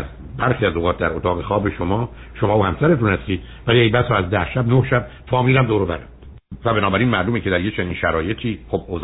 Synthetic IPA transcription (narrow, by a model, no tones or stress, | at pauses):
z | bæɾxiːæzoɣɒːt̪̚ʰd̪æɾot̪ʰɒːɣe̞xɒːbeʃomɒː | ʃomɒːohæmsæɾe̞t̪unhæst̪iːd̪ | væliebæsɾɔːæzd̪æhʃæbnohʃæb̚ | fɒːmiːlæmd̪oːɾovæɾæ̰md̪̥ | væbenɒːbæɾiːnmæʔluːmecʰe̞d̪æɾjet͡ʃʰeniːnʃæɾɒːje̞t̪ʰiːxoboz